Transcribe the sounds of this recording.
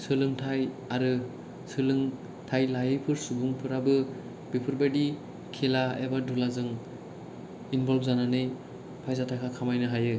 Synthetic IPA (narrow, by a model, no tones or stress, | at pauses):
sɯlɯŋtʰaj | aɾɯ | sʰɯlɯŋ | tʰajlajɯjpʰɯɾsubuŋpʰɯɾabɯ | bipʰɯɾbadi | kʰelaḛbadulazɯŋ | inbɔlbzananɯj | pʰajzatʰakʰakʰamajnɯɦajɯ